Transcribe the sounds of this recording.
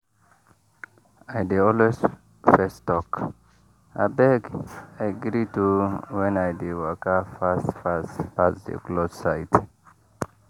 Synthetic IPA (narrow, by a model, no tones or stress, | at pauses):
ajdeɔlwez | fɛstɔk | a̰bɛɡajɡɾituwɛ̃najdewəkafasfaspasdḛklossajt